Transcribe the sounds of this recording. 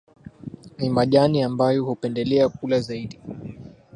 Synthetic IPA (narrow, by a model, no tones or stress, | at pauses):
nimaʄaniambajɔhupɛndɛlɛak̚ulazaiɗi